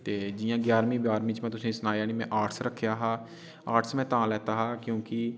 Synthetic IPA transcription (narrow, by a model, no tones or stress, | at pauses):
t̪eːd͡ʒɪjãːɡjaːɾmĩːbjaːɾmĩːt͡ʃmɛ̃ːt̪ʊsĩːsnaːjaːɽiːmɛ̰̃ːʔaːʈʰsɾəkʰːjaːɦaː | aːʈʰsmɛ̃ːt̪ãːlɛːt̪aːɦaːkjõːkɪ